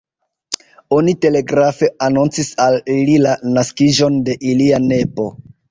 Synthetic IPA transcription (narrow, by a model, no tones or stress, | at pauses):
o̞nite̞le̞ɡɾafe̞anunt͡sisalililanaskiʒo̞nde̞ʔiliane̞po̞